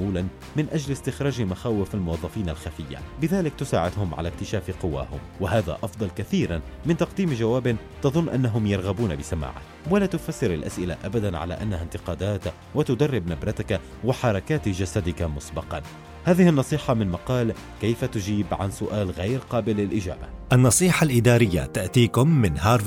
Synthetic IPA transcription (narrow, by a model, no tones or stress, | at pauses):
uːlan | mɪnʔad͡ʒlɪst̪ɪxɾˤɑːʒmaxaːwɪfalmʊwɑðˤːɑfiːnalxaːfɪjːa̰bɪðaːlɪkt̪ʊsaːʕɪd̪hʊmʕa̰lakt̪ɪʃaːfqʊwːa̰ːhʊmwaɦaːða̰ʔɑfd̪ˤɑlkaθiːɾanmɪnt̪ɑq̚d̪iːmʒawaːbɪn | t̪ɑðˤʊnːʔa̰nːaɦʊmjɑɾˤɣabuːnabɪsama̰ːʕɪ̰ | walaːt̪ʊfasːɪɾalʔa̰sʔɪla̰ʔa̰bad̪anʕa̰la̰ːʔanːahant̪ɪqɑːd̪aːt̪ | wat̪ʊd̪arˤːɪbnabɾɑt̪aka | wɪħɑɾˤɑkaːt̪ʒasad̪ɪkamʊsbɑqɑ | haːðɪhɪnːɑsˤiːħɑmɪnmɑqɑːl | kajfat̪ʊd͡ʒiːbʕa̰nsʊʔaːlɣajɾqɑːbɪlːɪlʔɪd͡ʒa̰ːba̰ʔanːɑsˤiːħalʔɪd̪aːɾɪjːa̰t̪aʔt̪iːkʊmːɪnɦaːɾ